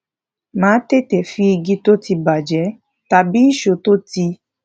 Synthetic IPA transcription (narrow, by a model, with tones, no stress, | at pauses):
mãː˨˦te˦˨tɛ˨fi˧˦i˧ɡi˧to˦ti˧ba˨d͡ʒɛ˨˦ | ta˨bi˦i˦˨ʃo˨˦to˦ti˧